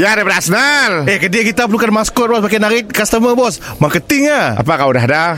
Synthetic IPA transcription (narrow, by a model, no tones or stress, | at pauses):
jadapəɾasnalɛhkədiakit̪apəlukanmaskɔt̪̚bɔsbak̬anaɾɪt̪̚kast̪əməbɔs | makət̪ɪŋaa̰pakawdaɦada